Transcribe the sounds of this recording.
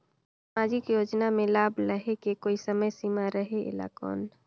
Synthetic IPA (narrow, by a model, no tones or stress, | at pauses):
samad͡ʒɪkjoːd͡ʒnamẽlaːbləɦekekoːisəməjsiːmaɾəɦeɪ̰la̰kɔ̰ːn